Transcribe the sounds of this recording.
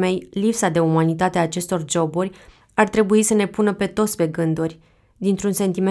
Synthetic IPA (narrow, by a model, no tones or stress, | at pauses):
me̞jlipsad̪e̞umanit̪at̪eaːt͡ʃe̞st̪o̞rd͡ʒo̞burʲ | art̪ɾe̞buisəne̞punəpe̞t̪ot̪sʲpe̞ɡɨnd̪urʲ | d̪int̪ɾunse̞nt̪ime